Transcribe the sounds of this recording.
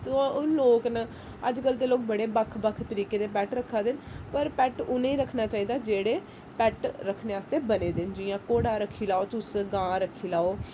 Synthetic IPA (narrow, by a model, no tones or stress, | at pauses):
t̪oʊnloːknə | əd͡ʒkəlt̪eːloːkbəɽeːbəkʰbəkʰt̪əɾiːkeːd̪eːpɛːʈɾəkʰːaːd̪ɪnpəɾpɛːʈʊnẽiːɾəkʰnaːt͡ʃaːiːd̪aːd͡ʒeːɽeː | pɛːʈɾəkʰːneːaːst̪eːbəneːd̪ɪnd͡ʒɪːjãːkoːɽaːɾəkʰːiːlaːoːt̪ʊsɡãːɾəkʰːiːlaːoː